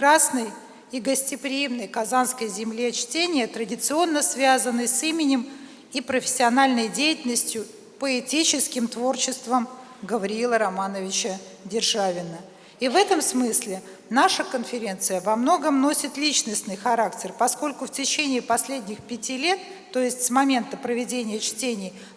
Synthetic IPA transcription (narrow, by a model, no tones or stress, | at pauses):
ɾasnəj | iɡəsʲtʲɪpɾʲɪjimnəjkɐzanskəjzʲɪmlʲit͡ɕtʲenʲɪjət̪ɾədʲɪt̪sɨo̞nːəsvʲazənːɨjsimʲɪnʲɪm | ipɾəfʲɪ̥sʲːɪɐnalʲnəjdʲejɪtʲɪlʲnəsʲtʲjʊ | pəɪtʲit͡ɕɪskʲɪmt̪vo̞rt͡ɕɪst̪vəm | ɡəvɐɾʲɪilˠəɾɐmanəvʲɪt͡ɕə | dʲɪrʐavʲɪnə | ivɛt̪əmsmɨsʲlʲɪ | naʂəkənfʲɪɾʲe̞nt̪sɨjəvɐmno̞ɡəmno̞sʲɪt̪lʲit͡ɕnəsʲnɨjxɐɾaktʲɪrpɐsko̞lʲkʊftʲɪt͡ɕenʲɪːpɐsʲlʲedʲnʲɪxpʲɪtʲilʲe̞t̪ːo̞jɪsʲtʲsmɐmʲe̞nt̪əpɾəvʲɪdʲenʲɪjət͡ɕtʲenʲɪj